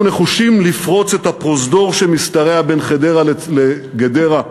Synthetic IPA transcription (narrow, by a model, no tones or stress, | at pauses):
ne̞χuʃimlifʁo̞t͡set̪hapʁo̞zdo̞ʁʃemist̪aʁe̞abenχede̞ʁalleɡedeʁa